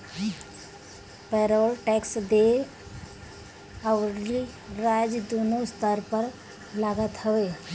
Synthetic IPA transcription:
pɛɾɔlʈɛksd̪e | əwɾli | ɾad͡ʒd̪onost̪əɾpəɾ | laɡət̪ɦəwe

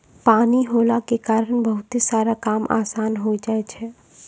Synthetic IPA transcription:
paːniɦolakekaːɾəɳbəɦʊt̪isaːɾakaːmʔa̰ːsaːnɦoid͡ʒaɛt͡ʃʰɛ

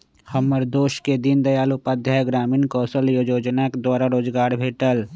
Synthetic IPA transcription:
həməɾd̪oːʃked̪ind̪əjaːlupad̪ʱjaːjɡɾaːmiːnkɔːsəljoːd͡ʒoːd͡ʒnaked̪waːɾaɾoːd͡ʒɡaːɾbʱeːʈəl

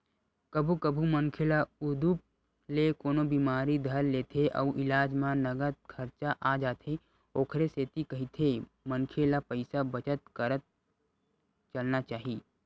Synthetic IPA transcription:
kɐbʱukɐbʱumɐnkʰelaʊd̪up̚ | lekoːnobiːmaːɾid̪ʱəɾleːt̪ʰeʔɔ̰ːʔɪlaːd͡ʒmãnɐɡət̪̚kʰɐɾt͡ʃaʔad͡ʒaːt̪ʰe | oːkʰɾeseːt̪ikɐɦit̪ʰe | mənkʰelapəɪsabɐt͡ʃət̪kəɾət̪̚ | t͡ʃɐlnat͡ʃaːɦiː

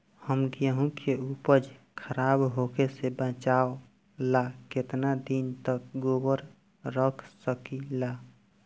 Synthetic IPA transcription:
həmɡjəɦũkʰeupəd͡ʒ | kʰəɾabɦokesebə̃t͡ʃao | laket̪nad̪int̪ək̚ɡobəɾ | ɾəkʰsəkila

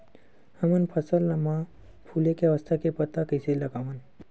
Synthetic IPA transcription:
hɐmənpʰəsəlːɐmã | pʰulekeɐʋəst̪ʰakepɐt̪akəjselɐɡaʋən

